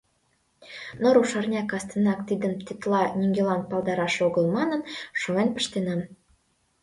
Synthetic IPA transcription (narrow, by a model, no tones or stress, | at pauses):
noɾuʃɑrnʲɑkɑst̪ənɑkt̪id̪ə̆nt̪it̪lˠɑnʲiŋɡʲelɑn̚pɑlˠd̪ɑɾɑʃoɣə̆lˠmɑnə̆nʃoenpə̆ʃt̪enɑm